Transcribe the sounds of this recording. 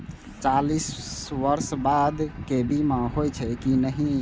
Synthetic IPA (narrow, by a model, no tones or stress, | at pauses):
t͡ʃalisʋəɾsbad̪kebʱimãɦojt͡ʃʰɛkinəɦĩ